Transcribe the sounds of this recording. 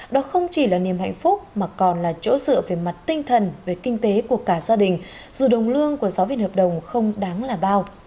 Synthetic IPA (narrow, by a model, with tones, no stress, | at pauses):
ɗɔ˨˦xə˧wŋ͡mt͡ɕi˧˩laː˨˩ni˨˩əmha̰˧˨jŋ̟fʊ˦˥k͡p̚maː˨˩kɔ˨˩nlaː˨˩t͡ɕo̰˧˥zɨ̰˧˨əve˨˩ma˨˩t̚t̪ï˧ŋ̟t̪ʰə˨˩nve˨˩kï˧ŋ̟t̪e˨˦ku˧˩əkaː˧˩zaː˧ɗï˨˩ŋ̟ | z̥u˨˩ɗə˨˩wŋ͡mlɨ˧əŋku˧˩əzaː˨˦wvḭ˧˨nhəː˨˩p̚ɗə˨˩wŋ͡mxə˧wŋ͡mɗaː˨˦ŋlaː˨˩ɓaː˧w